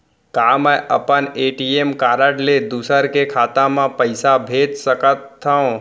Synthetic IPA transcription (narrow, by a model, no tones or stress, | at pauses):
kaːməʔə̰pəneːʈiemkaːɾəʈled̪uːsəɾkekʰaːt̪ãmãpəɪsabʱeːd͡ʒsəkət̪ʰːəõ